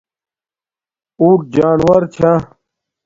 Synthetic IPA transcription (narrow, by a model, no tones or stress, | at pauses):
uːʈ̚d͡ʑaːnwɐɾt͡ɕʰã